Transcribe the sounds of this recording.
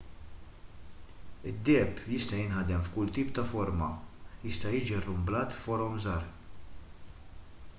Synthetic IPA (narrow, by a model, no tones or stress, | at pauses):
ɪd̪ːɛːpjɪst̪ɐjɪnhɐd̪ɛmfkʊlt̪iːpt̪ɐfɔɾmɐjɪst̪ɐjɪːd͡ʒiɐrːʊmblɐːt̪fɔɾɔmzɐːɾ